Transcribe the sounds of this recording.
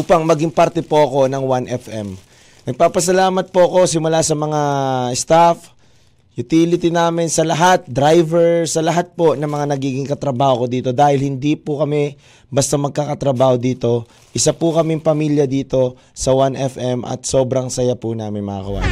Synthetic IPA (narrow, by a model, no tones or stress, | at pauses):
uːpɐŋmɐɡɪŋpaɾt̪ɛpoʔɐko̞nɐŋwanʔɛfʔɛm | nɐɡ̚paːpɐs̬ɐlaːmɐt̪̚poɐko̞sɪmʊlasɐmɐŋaɛst̪af | jʊt̪iːlɪt̪inaːmɪnsɐlɐɦat̪̚d̪ɾajvɛɹsɐlɐɦat̪̚po̞nɐŋmɐŋanɐɡiːɡɪŋkɐt̪ɾɐbaːhoko̞d̪iːt̪o̞d̪aːhɪlhɪnd̪ipʊkɐmɛ | bɐst̪ɐmɐɡ̚kakɐt̪ɾɐbaːho̞d̪iːt̪o̞ | ʔɪsapʊkɐmɛŋpɐmiːljɐd̪iːt̪o̞ | sɐwanʔɛfʔɛmʔɐ̰t̪̚so̞ːbɾɐŋsɐjapʊnaːmɪnmɐa̰ɡɐwa̰